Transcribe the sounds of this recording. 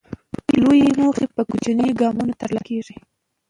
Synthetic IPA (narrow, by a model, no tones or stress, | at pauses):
lojenoχepəkut͡ʃaniɡɑmunat̪aɾlakeʐi